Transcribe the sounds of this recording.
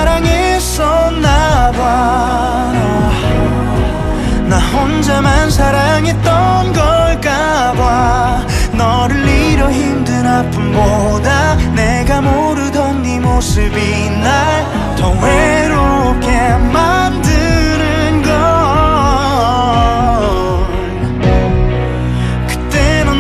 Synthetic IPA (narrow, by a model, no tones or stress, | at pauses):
ɾaŋe | s͈ʌnːaɡwa | naɦond͡ʑamansʰaɾaŋet͈ʌnɡʌɭk͈a | ɡwa | nʌ | ɾɯɭːiɾjʌɦimdɯnapʰɯnbo | daneɡamo | ɾɯdʌnːimosɯbi | nːaj | tʌwe | ɾo | p̚kemandɯnɯnɡʌ | n | kɯ̥t̪͈enɯ